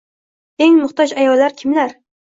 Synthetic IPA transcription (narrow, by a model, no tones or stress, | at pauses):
eŋmʊχt̪ɒd͡ʒajɒlːaɾkʲʰɪmlaɾ